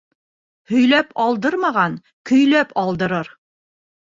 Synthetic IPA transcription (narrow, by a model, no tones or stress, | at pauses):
hɵ̆jlæpɒlˠd̪ɤɾmɑʁɑn | kɵ̆jlæpɒlˠd̪ɤ̆ɾɤɾ